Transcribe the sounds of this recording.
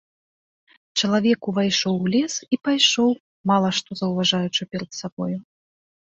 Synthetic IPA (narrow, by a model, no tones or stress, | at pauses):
t͡ʂɐlˠavʲɛkuvajʂɔwlʲɛsipajʂɔw | malˠɐʂt̪ɔzɐwvaʐajut͡ʂɨpʲɛɾɐt̪sabɔju